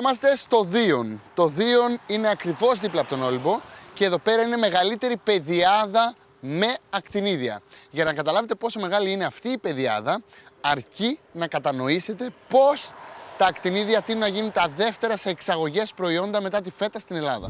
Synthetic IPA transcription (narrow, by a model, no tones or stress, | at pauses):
omɐst̪e̞st̪o̞ðio̞nt̪o̞ðio̞nine̞ɐkɾivo̞zðiplɐpot̪ono̞libo̞ce̞ːðo̞pe̞ɾɐine̞me̞ɣɐlit̪e̞ɾipe̞ðiɐðɐ | me̞ɐkt̪iniðiɐ̰ʝɐnɐkɐt̪ɐlɐve̞t̪̬e̞po̞so̞me̞ɣɐliine̞ɐft̪iːpe̞ðiɐ̰ðɐɐɾcinɐkɐt̪ɐno̞ise̞t̪e̞po̞st̪ɐːkt̪iniðiɐt̪inunːɐʝinunt̪ɐðe̞ft̪e̞ɾɐse̞ːksɐɣo̞ʝe̞spɾo̞io̞nd̪ɐme̞t̪ɐt̪̬ife̞t̪ɐst̪ine̞lɐðɐ̰